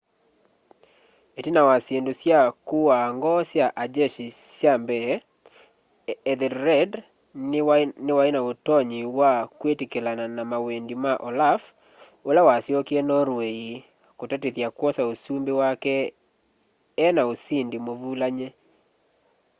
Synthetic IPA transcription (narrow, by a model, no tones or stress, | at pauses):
etinawasendosjakuwaŋɡɔsjaʔad͡ʒeʃisjambɛ | d̪ɛɾɛd | nɪwaɪnaotɔɲɪwakwetikelananamawendimaʔɔlaf | olawasjokjɛnɔɾwei | kotatiðjakwɔsaosumbewakɛ | naosindimovulaɲe